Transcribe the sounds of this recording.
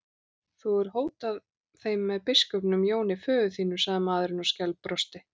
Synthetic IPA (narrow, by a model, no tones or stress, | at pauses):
θuɛɾ̥ɦoːwt̪að | θejmːɛðpɪskœpnʏmjoːwnɪfœːɣʏθiːnʏsaɣðɪmaːðɾɪnɔscɛlpːɾɔst̪ɪ